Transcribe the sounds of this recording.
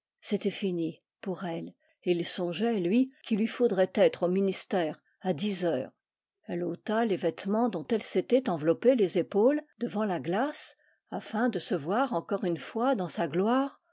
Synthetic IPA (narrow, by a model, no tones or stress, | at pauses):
set̪ɛfini | puʁɛl | eilsɔ̃ʒɛlɥikʰilɥifod̪ʁɛt̪ɛt̪χominist̪ɛːʁ | ad̪izœːʁ | ɛlot̪alevɛt̪mɑ̃d̪ɔ̃t̪ɛlset̪ɛt̪ɑ̃vlɔpelezepold̪əvɑ̃laɡlas | afɛ̃d̪əsəvwaʁɑ̃kɔʁynfwad̪ɑ̃saɡlwaːʁ